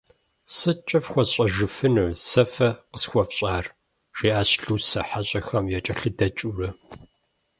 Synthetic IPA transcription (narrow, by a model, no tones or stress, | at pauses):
sɨt͡ʃʼɐfxʷɔɕʼɐʒɨfɨnusɐfɐqəsxʷɔfɕʼaːr | ʂeːʔaːɕɬuːsɐħaɕʼɐxɐmjɛt͡ʃʼɐɬɨdɐt͡ʃʼurɐ